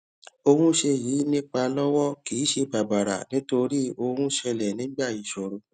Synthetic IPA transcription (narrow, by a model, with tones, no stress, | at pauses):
o˧hũ˦ʃe˧jiː˨˦nĩ˦k͡pa˧lɔ˦wɔ˦ki˨˦ʃe˧ba˨ba˨ɾa̰˨nĩ˦to˧ɾi˦o˧hũ˦ʃɛ˧lɛ˨nĩ˨˦ɡ͡ba˦˨ji˨ʃo˨ɾo˧